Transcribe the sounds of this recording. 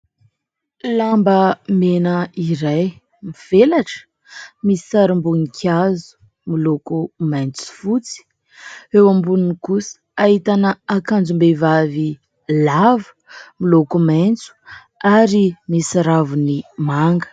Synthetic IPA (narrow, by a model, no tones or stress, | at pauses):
lambəmenəiɾaj | miv̥elaʈ͡ʂə̥ | misisaɾimbunikʰʲazu̥ | milokumajnt͡su̥fut͡si̥ | ewambununikusə̥aɦit̪anəakand͡zumbevavi | lav̥ | milokumajnt͡su̥ | aɾimisaɾavunimaŋɡə̥